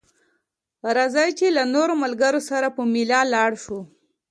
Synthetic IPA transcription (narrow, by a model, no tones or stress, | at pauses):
ɾazɑjt͡ʃelanoɾomalɡaɾosaɾapəmɪlɑlɑɽʃo